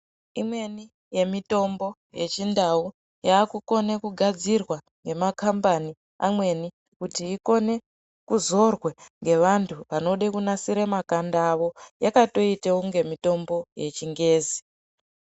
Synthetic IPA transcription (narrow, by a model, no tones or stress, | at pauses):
imwe̞ni | je̞mito̞mbo̞ | je̞t͡ʃindau | jaːkuko̞ne̞kuɡʱad͡zirwa | ŋɡe̞makambani | a̰mwe̞ni | kutiːko̞ne̞ | kuzo̞rweŋɡe̞ʋantʰuʋano̞ɗekunasiɾemakandaːʋo̞jakato̞iteuŋɡe̞mito̞mbo̞jet͡ʃiŋɡe̞ːzi